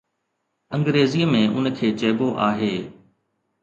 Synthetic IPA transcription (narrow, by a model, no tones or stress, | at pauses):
ə̃ŋɡɾeːziəmẽʔʊ̰nkʰeːt͡ɕɛːboʔaːɦeː